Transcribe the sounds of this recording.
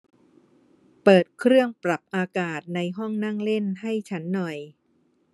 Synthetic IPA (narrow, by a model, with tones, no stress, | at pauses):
pɤː˨˩t̪̚kʰɾɯ˥˩əŋpɾa˨˩p̚ʔaː˧kaː˨˩t̪̚na˧jɦɔ˥˩ŋna˥˩ŋle˥˩nha˥˩jt͡ɕʰa˦˥nːɔ˨˩j